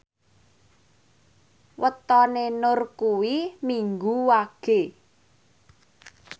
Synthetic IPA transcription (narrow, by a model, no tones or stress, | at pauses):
wət̪ɔnenʊrkuwimiŋɡuwaɡ̥e̤